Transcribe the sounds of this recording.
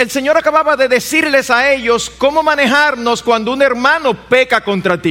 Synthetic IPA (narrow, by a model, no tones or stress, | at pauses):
else̞ɲo̞ɾakaβaβaðe̞ðe̞siɾle̞sae̞ʝo̞sko̞mo̞mãne̞ɦaɾno̞skwand̪ouŋe̞ɾmãno̞pe̞kako̞nt̪ɾat̪i